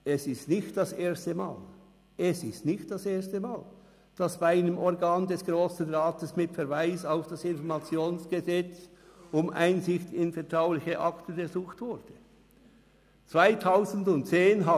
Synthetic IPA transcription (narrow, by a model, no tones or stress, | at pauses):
ɛsɪstnɪçt̚d̥ɑsʔeːɐstəmaːl | ʔɛsɪstnɪçt̚d̥aseːɐstəmaːl | d̥ɑsb̥aɪnəmɔʁɡaːndɛsɡ̥ʁoːsn̩ʁaːtəsmɪtfɛɾvaɪsaʊfd̥asɪnfɔʁmat͡sjoːnsɡ̥əzɛt͡s | ʊmʔa̰ɪnzɪçtɪnfɛɐtʁ̥aʊlɪçəʔɑktən̩ɡəzuːxtv̥ʊɾd̥ə | t͡sv̥aɪtʰaʊzn̩dʊntt͡seːnɦa